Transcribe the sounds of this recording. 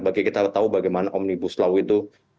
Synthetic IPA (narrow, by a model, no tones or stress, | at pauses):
baɡakit̪at̪aubaɡajmanaʔɔmnibuslauit̪u